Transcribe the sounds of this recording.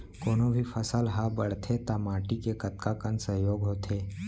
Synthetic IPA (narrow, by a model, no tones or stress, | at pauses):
koːnõbʱifʰɐsəlɦabəɽ̤t̪ʰet̪amaːʈikekɐt̪̚kakənsɐɦjoːɡɦoːt̪ʰeː